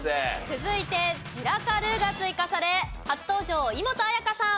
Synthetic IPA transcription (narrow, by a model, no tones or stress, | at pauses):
et͡sɨzɨit̪e̞t͡ɕiɾakaɾɯ̟ɡat͡sɨikasaɾe̞hat͡sɨ̥t̪o̞ːʑo̞ːimo̞t̪o̞ajakasã